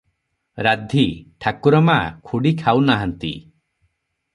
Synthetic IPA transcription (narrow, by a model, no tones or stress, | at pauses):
ɾad̪ʱiʈʰakuɾɔmakʰuɽikʰawnaɦant̪ḭ